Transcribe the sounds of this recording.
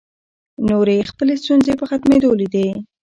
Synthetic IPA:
noɾexpəlest̪unzepəxat̪med̪olid̪e

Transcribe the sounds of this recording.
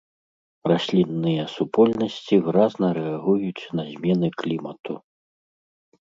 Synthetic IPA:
rasʲlʲinːɨjɐsupɔlʲnɐsʲt͡sʲivɨɾaznɐɾɛaɣujut͡sʲnɐzʲmʲɛnɨklʲimɐt̪u

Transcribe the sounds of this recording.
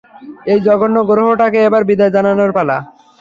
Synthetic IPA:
ejd͡ʑɔɡonːoɡɾoɦoʈakeebaɾbid̪aed͡ʑananoɾpala

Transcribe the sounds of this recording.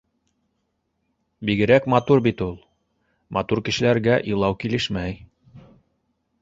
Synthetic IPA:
biɡɘ̆ɾækmɑt̪uɾbit̪ulˠ | mʔɑt̪uɾkɘ̆ʃɘ̆læɾɡæʔɤ̆lˠɑwkilɘʃmæj

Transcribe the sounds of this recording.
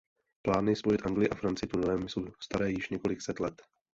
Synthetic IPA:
plaːnɪspojɪt̪ʔaŋɡlɪjɪʔafɾant͡sɪɪt̪unlɛːmɪsust̪aɾɛːjɪʃɲɛko̞lɪksɛt̪lɛt̪

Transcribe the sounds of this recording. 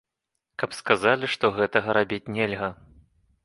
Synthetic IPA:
kɐpskazalʲiʂt̪ɔɣɛt̪ɐɣɐɾabʲit͡sʲnʲɛlʲɣɐ

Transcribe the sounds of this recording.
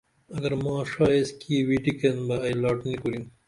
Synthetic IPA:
ɐɡɐɾmɑ̃ːʂɑːjeskiwiʈikɐnbɐːjlɑːʈnikoɾin

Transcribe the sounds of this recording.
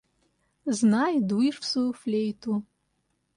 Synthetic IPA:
znajd̪uiʂpsuflʲejt̪ʰu

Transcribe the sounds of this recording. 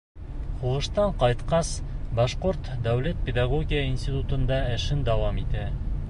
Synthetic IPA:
χuʁɤ̆ʃt̪ɑɴqɑjt̪qɑsbɑʃqoɾt̪d̪æwlæt̪̚pʲɪd̪ɑɡoɡʲijəinsʲt̪ʲit̪ut̪ɤ̆nd̪ɑɘ̆ʃɘnd̪ɑwɑmit̪æ

